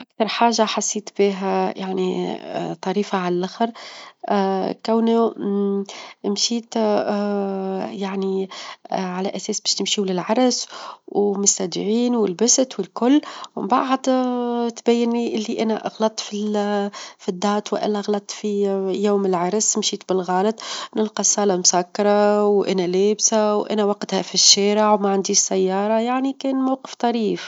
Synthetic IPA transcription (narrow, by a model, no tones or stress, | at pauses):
ʔakθɑɾˤħaːʒːaħasːiːt̪biːɦæjaʕnḭt̪ˤːɑɾiːfaʕalælʔaxɾˤ | kawnu | mʃiːt̪ | jaʕni | ʕalæʔæsɛːsbɛːʃnɪmʃilɪlʕɑɾˤswmʊst̪æd̪ɪʕiːnwɪlbæst̪wɪlkʊlːmɪ̰mbaʕd̪t̪bæjːɪnliʔɪlːiʔænæʔɑ̰ɣlɑt̪ˤːfi | fid̪ːɑːt̪wɪʔa̰lːæɣlɑt̪ˤːfijoːmɪlʕɑɾˤsmʃiːt̪bɪlɣɑːlɑt̪ˤnɪlqɑsˤɑːlɑmʊsækːɑɾˤɑwʔæ̰næleːbsawʔæ̰næwɑqt̪hæfiʃːæːɾɪʕwmaʕand̪iːʃsæjːɑːɾˤɑjaʕnikɛːnmawqə̥ft̪ˤɑɾiːf